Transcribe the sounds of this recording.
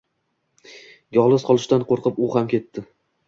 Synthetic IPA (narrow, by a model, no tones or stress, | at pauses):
jɒlˠɨzqʰɒlˠɪʃt̪anqʰoɾqɨpʊhamkʲʰe̞t̪ːɪ